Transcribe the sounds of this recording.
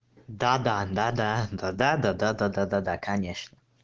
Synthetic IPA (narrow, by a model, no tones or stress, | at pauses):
d̪ad̪ad̪ad̪ad̪ad̪ad̪ad̪ad̪ad̪ad̪ad̪akʰaɲɛʂɲɛ